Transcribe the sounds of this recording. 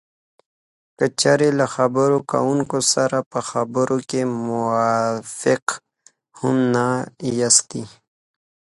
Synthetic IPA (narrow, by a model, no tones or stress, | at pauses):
kət͡ɕaɾelaxabəɾoka̰unkosaɾapəxabɾokemʊwafɪq | humnajast̪i